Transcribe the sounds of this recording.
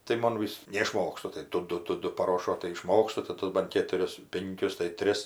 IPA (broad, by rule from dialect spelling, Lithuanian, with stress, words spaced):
tɐɪ ˈmoːn ʋʲɪs nʲɛɪˈʃmoːkstʊ tɐɪ ˈdʊ ˈdʊ ˈdʊ pɐˈroːʃoː tɐɪ ɪˈʃmoːkstʊ tɐɪ ˈtʊs bɐn ˈkʲeːtʊrʲɪs ˈpʲɪŋʲkʲʊs tɐɪ ˈtʲrʲɪs